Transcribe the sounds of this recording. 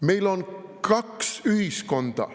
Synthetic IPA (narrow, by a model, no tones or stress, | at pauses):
meilonkʰɑksyhiskond̪ɑ̰